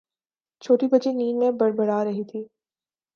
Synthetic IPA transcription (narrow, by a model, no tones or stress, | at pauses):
t͡ʃʰoːʈibɐd͡ʒiniːnmẽbɐɽbɐɽaɾɐɦit̪ʰiː